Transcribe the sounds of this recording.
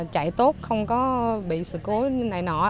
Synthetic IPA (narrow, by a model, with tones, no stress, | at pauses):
t͡ɕa̰˧˨jt̪o˦˥t̚xə˧wŋ͡mkɔ˨˦ɓḭ˧˨sɨ̰˧˨ko˨˦na˨˩jnɔ˧˩